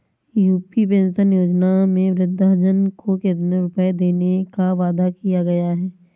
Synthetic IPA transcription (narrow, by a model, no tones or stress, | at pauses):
juːpipẽːnʃənjoːd͡ʒnamẽʋɾɪd̪ʱːaɦd͡ʒənkokɪt̪neɾʊpəjd̪eːnekaʋaːd̪akijaɡɐjaɦɛː